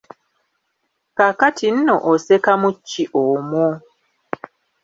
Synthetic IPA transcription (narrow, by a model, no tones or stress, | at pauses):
kakatʰin̩noʔosekamucːiʔomo